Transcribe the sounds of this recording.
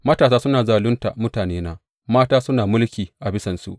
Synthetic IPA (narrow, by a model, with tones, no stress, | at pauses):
mɐ˦taː˨saː˦sʊ˦naː˨zaː˨lʊ˦nta˨mʊ˦taː˨neː˦naː˦ | maː˦taː˦sʊ˦naː˨mʊ˦lkʲiː˨ʔa˨bɪ˦sɐ˨nsṵ˨ʔ